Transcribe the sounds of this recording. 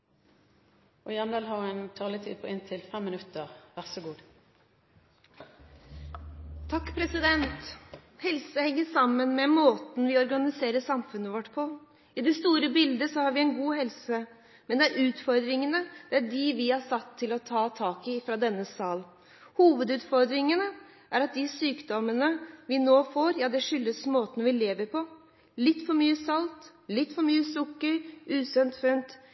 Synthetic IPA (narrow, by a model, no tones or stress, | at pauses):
ʔɔɪɑnd̪ɑːlɦɑɾʊɛnt̪ʰɑːləɪt̪ʰiːd̪̚pʰɔɪnt̪ʰɪlfɛmːɪnʉt̪ːəʁʋæʁsɔɡuːd̪ | t̪ʰɑkːpʰɾɛsɪd̪ɛnt̪hɛlsəhɛŋːəʂɑmːənmɛmoːt̪n̩ʋɪɔɾɡɑnɪseːɾəʂɑmfʉnːəʋɔʈːpʰɔ | ɪd̪ɛst̪uːɾəbɪld̪əsɔhɑɾʋɪɛɪnɡuːhɛlsə | mɛnd̪ɛæɾʔʉːt̪fɔɾd̪ɾɪŋənəd̪̥ɛæɖɪʋɪhɑsɑt̪ʰːɪlɔt̪ʰɑːt̪ʰɑːkɪfɾɑd̪ɛnːəsɑːl | huːʋəd̪ʉːt̪fɔɾd̪ɾɪŋənə | ʔæɾɑt̪̚d̪ɪsyːkd̪ɔmənəʋɪnoːfoːɾjɑːd̪ɛʂʏlːəsmoːt̪ən̩ʋɪleːʋəɾpʰɔ | lɪt̪ːfɔɾmyːəsɑlt̪ | lɪt̪ːfɔɾmyːəsʊkːəɾʔʉːsœnt̪fœnt̪